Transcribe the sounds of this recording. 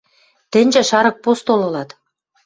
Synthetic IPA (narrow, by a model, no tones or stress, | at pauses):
t̪ɘ̆nʲʒɘ̆ʃɑɾɤ̆k̚post̪olɤ̆lɑt̪